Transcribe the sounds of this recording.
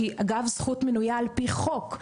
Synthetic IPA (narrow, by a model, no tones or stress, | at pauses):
iʔaɡavz̥χutmenujaːlpiχo̞k